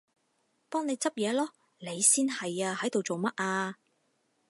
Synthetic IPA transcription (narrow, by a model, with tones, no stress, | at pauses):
t̪ɔː˥ŋne˨˧jt͡sɐ˥p̚jɛː˨˧lɔː˥ | le˨˧jsiː˥nhɐ˨jaː˧hɐ˨˥jt̪o˨wt͡so˨wmɐ˥t̚aː˧